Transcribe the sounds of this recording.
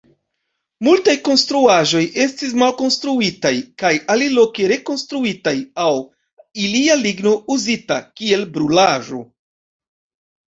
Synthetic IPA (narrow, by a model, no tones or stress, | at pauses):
multajko̞nstɾuaʒo̞jʔe̞stis̬malko̞nstɾuitajkajalilo̞ke̞ɾe̞ko̞nstɾuitajaw | ilialiɡno̞uzita̰kie̞lbɾulaʒo̞̰